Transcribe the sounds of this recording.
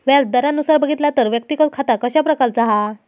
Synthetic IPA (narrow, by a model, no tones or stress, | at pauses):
ʋjat͡sd̪əɾanːusaɾbəɡʱit̪lat̪əɾʋjəkt̪ikət͡s̚kʰat̪akəɕapɾəkaɾt͡saɦa